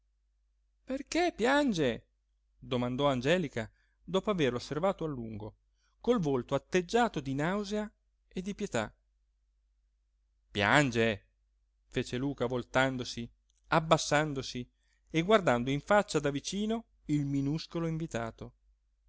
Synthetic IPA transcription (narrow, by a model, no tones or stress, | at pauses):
perkepjand͡ʒe | d̪omand̪ɔand͡ʒɛːlika | d̪ɔːpoaverlosːervaːt̪oalːuŋɡo | kolvolt̪oat̪ːed͡ʒːaːt̪od̪inawzea | ed̪ːipjet̪a̰ | pja̰nd͡ʒe | feːt͡ʃeluːkavolt̪and̪osi | abːasːand̪osi | eɡward̪and̪oiɱfat͡ʃːad̪avit͡ʃiːno | ilminuskoloiɱvit̪a̰ːt̪o